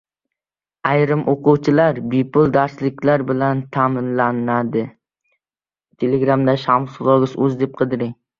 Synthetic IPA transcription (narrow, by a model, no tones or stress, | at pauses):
ajɾɪmʔoqʊwt͡ʃʰɪlaɾbɪpʊlˠd̪aɾslɪkʲʰlaɾbɪlant̪ʰamɪnlanad̪ɪ | t̪ʰe̞leɡɾamd̪aʃamsʊlˠɒɡɪsɵzd̪e̞p̚qʰɨd̪ɪɾɪŋ